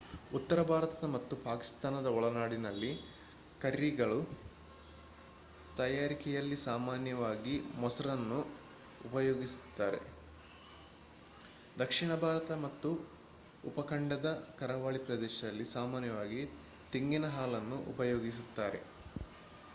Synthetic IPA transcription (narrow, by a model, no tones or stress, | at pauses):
ut̪ːɐɾɐbʱaːɾɐt̪ɐd̪ɐmɐt̪ːupaːki̥st̪aːnɐd̪ɐɔɭɐnaːɽinɐlːi | kɐɾiɡɐɭu | t̪ɐjaːɾikɛjɐlːisaːmaːnjɐʋaːɡimɔsɐɾɐnːu | upɐjoːɡisu̥t̪ːaːɾe̞̰ | d̪ɐkʂiɳɐbʱaːɾɐt̪ɐmɐt̪ːu | upɐkʰɐɳɖɐd̪ɐkɐɾɐʋaːɭipɾɐd̪ɛːʃɐd̪ɐlːisaːmaːnjɐʋaːɡi | t̪iŋɡinɐɦaːlɐnːuʔṵpɐjoːɡis̬ut̪ːaːɾe̞̰